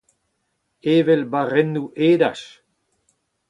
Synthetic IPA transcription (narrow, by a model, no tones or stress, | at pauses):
eːvelbaʁenːuʔeːdaʃ